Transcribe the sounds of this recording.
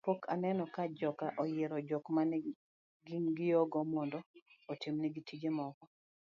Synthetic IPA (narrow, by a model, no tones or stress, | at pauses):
pokʰanɛnɔkad͡ʒɔkaʔɔjeɾɔd͡ʒɔkmanɛ | ɡimɡɪjɔɡɔmɔndɔotɪmnɛɡitid͡ʒemɔkɔ